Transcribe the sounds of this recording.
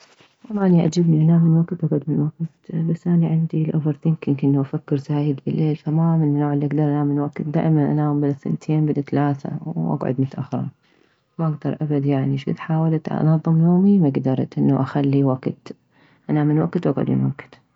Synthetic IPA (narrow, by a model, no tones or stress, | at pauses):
lˤːɑːʔniʔa̰d͡ʒabniʔanaːmːɪnwaɡt̪wʔaɡʕʊd̪mɪnwaɡt̪basːʔaniʕɪnd̪ilʔʊvɪɾθiŋkɪnkɪnːaʔafakːɪɾzaːjɪd̪bɪlːeːlfamamɪnnːoːʕɪlːiʔaɡd̪ɑɾˤʔanaːmɪnwaɡt̪̚d̪a̰ːʔmanʔa̰naːmbɪlaθɪ̰nt̪ʰeːnbɪd̪at̪alaːθa̰wʔa̰ɡʕʊ̰d̪mʊt̪ʔaxɾˤɑ̰ | maʔaɡd̪ɑɾˤʔabad̪jaʕniʃɡɪ̰d̪ħaːwalt̪ʔnɑðˤːɨmjoːmimaɡd̪ɑɾˤt̪ʔɪnːaʔaxalːiwaɡt̪ | ʔanaːmɪnwaɡt̪wʔaɡʕʊ̰d̪mɪ̰nwaɡt̪